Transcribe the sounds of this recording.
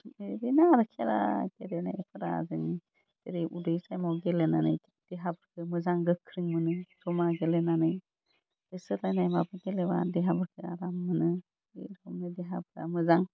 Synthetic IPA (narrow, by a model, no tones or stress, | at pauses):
eɾinaɾɯkʰeɾa̰ɡeɾena̰jepʰɯɾa̰zɯŋ | teɾiʔudɯjsajmɔɡelenanɯ̰j | d̥eɦabɯɾkʰɯmɯzaŋɡɯkʰːɾɯŋmɯnɯzɔmaɡelenanɯj | ɯsɯtlajnajmabɯɡeleba̰deɦabɯɾkʰɯa̰ɾamːɯnɯ | eɾɔmnɯdiɦabɯɾa̰mɯzaŋ